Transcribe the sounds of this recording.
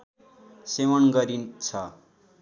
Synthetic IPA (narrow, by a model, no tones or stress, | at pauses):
sewʌnɡʌɾint͡sʰʌ